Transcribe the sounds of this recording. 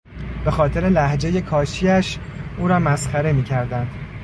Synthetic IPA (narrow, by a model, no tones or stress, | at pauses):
b̥e̞xɒːt̪ʰe̞ɾe̞læhd͡ʒe̞je̞kʰɒːʃiæʃuːɾɒːmæsxæɾe̞miːcʰæɾd̪ænd̪̥